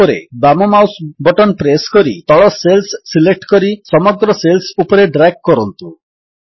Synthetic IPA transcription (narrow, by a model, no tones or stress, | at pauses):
ɔɾḛbamɔmawsbɔʈɔnpɾeskɔɾit̪ɔɭɔselsːilek̚ʈkɔɾisɔmɔɡɾɔselsupɔɾeɖɾaɡ̚kɔɾɔnt̪u